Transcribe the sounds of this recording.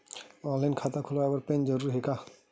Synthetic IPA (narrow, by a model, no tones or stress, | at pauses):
ɔ̃nlajnkʰat̪akʰʊlaabəɾpẽnd͡ʒəɾuɾɦeka